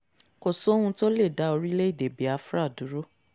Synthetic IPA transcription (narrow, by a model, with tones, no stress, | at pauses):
ko˨so˨˦hũ˧to˦le˦˨da˨˦o˧ɾi˦le˦i˦˨de˨bi˨˦a˧fɾa˦˨du˨˦ɾo˦